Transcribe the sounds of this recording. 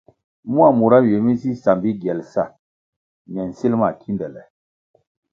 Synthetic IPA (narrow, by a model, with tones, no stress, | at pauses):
mu˦a˦˨mu˨ɾa˦je˨mi˦si˦sa˨mbi˦ɡɛ˨lsa̰˦˨ | mɛ˨n̩˨si˦lma˨kʰi˦ndɛ˨lɛ̰˨